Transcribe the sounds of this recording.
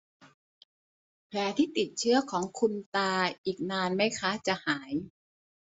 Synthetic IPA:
pʰlɛː˨˧˩t̪ʰiː˥˩t̪i˨˩t̪̚t͡ɕʰɯ˦˥˩ɐkʰɔː˩˦ŋkʰu˧nt̪aː˧ʔiː˨˩k̚naː˧nma˥˩jkʰa˦˥t͡ɕa˨˩ʔhaː˩˦j

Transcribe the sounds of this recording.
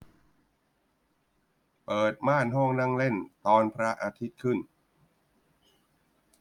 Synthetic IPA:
pɤː˨˩t̪̚maː˥˩nɦɔ˥˩ŋna˥˩ŋle˥˩nt̪ɔː˧npʰɾa˦˥ʔaː˧t̪ʰi˦˥t̪̚kʰɯ˥˩n

